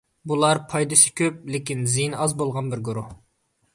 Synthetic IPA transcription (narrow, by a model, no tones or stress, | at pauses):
bulˠɑɾpʰɑjd̪ɨʃi̥kʲʰøp̚lɪkʲinzijnɑzbolˠʁɑnbɪɾɡoɾu